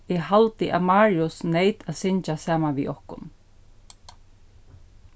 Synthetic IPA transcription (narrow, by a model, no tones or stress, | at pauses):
ɛhalt̪ɪʔa̰ðmaːɹiʊsnejt̪aðsɪɲt͡ʃasaːmanʋḭːʔɔhkʊ̰n